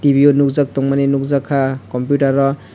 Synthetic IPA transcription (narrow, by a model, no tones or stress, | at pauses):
tibionuk̚zak̚tɔŋmanenuk̚zakʰːakɔmpjutaɾɔ